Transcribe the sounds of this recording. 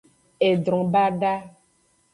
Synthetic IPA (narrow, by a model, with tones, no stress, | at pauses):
e˨d̪ɾɔ̃˨ba˦ɖa˦